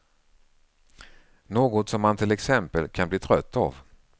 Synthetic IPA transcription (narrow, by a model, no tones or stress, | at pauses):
noːɡɔt̪sɔmːant̪ʰɪlɛksɛmpəlkʰanbliːt̪ʰɾœt̪ʰːa̰v